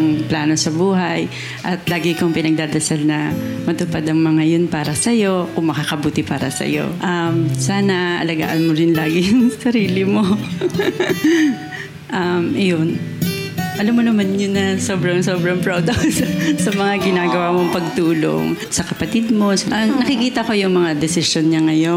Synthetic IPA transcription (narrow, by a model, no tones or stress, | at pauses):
ŋplaːno̞sɐbuːɦɐj | ʔɐt̪laːɡɪkoŋpɪnɐɡ̚d̪aːd̪ɐsalnɐmɐt̪ʊpad̪ɐŋmɐŋajonpaːɾɐsɐjo̞kʊŋmɐkaːkɐbuːt̪ɪpaːɾɐ̰sɐ̰jo̞̰ʔamsaːnɐʔɐ̰lɐɡa̰ːʔɐnmoɾɪnlaːɡɪjʊŋsɐɾiːlɪmo̞ | ʔɐmʔɐjon | ʔɐlamːonɐmanɲonɐso̞ːbɾɐŋso̞bɾɐŋpɹod̪ɐkssɐmɐŋaɡɪnaːɡɐwaːmoŋpɐɡ̚t̪uːlo̞̰ŋsɐkɐpɐt̪ɪd̪̚mo̞sʔɐnɐkɪkiːt̪ɐko̞jʊŋmɐŋad̪ɛsɪʃjonɲɐŋɐjo̞